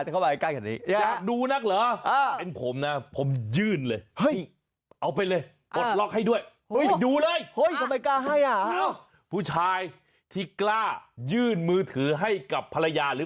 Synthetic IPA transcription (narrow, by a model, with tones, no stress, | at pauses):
a˩t͡ɕa˨˩kʰba˧˨a˧˩klaː˥˩kɛ˨˩niː˦˥˧aː˨˩duː˧na˦˥k̚ləː˨˦ʔa˧e˧npʰo˩˦mna˦˥pʰo˩˦mjɯː˥˩nlɤː˧jhɯ˥˩i˥˩ | ʔa˧wp̬a˧jlɤː˧j | o˨˩˧t̪̚lɔ˦˥k̚ha˥˩jdu˥˩əj | o˦˥˩duː˧lɤː˧˥jho˦˥˩jt̪ʰa˧mːa˧kaː˥˩ɦa˥˩jʔa˨˩a˧˥˩w | pʰuː˥˩t͡ɕʰaː˧j | t̪ʰiː˥˩klaː˥˩jɯː˥˩nmɯː˧t̪ʰɯː˩˦ɦa˥˩jka˨˩pʰːa˧la˧jaː˧ɾɯː˨˦